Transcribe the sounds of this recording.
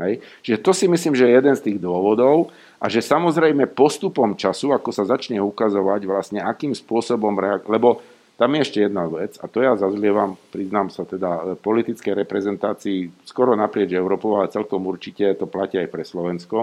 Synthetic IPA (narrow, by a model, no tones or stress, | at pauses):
ɦɛjt͡ʃʒɛt̪ɔsimisliːmʒɛjɛjɛd̪ɛnst̪iːɣd̪ʊɔʋɔd̪ɔʊ | ʔaʒɛsamɔzɾɛjmɛpɔst̪upɔmt͡ʃasuakɔsazat͡ʃɲɛukazɔʋaɟʋlasɲɛakiːmspʊɔsɔbɔmɾɛalɛbɔ | t̪amjɛɛʃcɛjɛd̪naʋɛd͡za̰t̪ɔjazazlɪɛʋampɾiznaːmsat̪ɛd̪apɔlit̪it͡skɛjɾɛpɾɛzɛnt̪aːt͡siːskɔɾɔnapɾɪɛd͡ʒɛʊɾɔːpɔʊalɛt͡sɛlkɔmuɾt͡ʃicɛt̪ɔplaciajpɾɛslɔʋɛnskɔ